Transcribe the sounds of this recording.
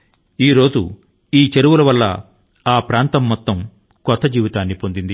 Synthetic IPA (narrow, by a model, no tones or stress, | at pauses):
iːɾo̞ːd͡ʒu | iːt͡ʃeɾuʋulɐʋɐlːɐ̰ | aːpɾaːnt̪ɐmːɔt̪ːɐm | kɔt̪ːɐd͡ʒiːʋit̪aːnːipond̪ind̪i